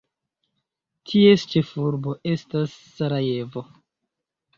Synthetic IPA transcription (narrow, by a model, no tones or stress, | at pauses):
tʰie̞st͡ʃe̞fuɾbo̞ʔe̞stasːaɾaje̞vo̞